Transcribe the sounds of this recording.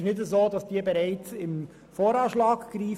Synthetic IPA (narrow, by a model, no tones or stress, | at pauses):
ʃnɪdəzoːd̥ɑsd̥iːəbɛɾaɪt͡sɪm | foːɾɑːʃlɑːkɡ̥ɾiː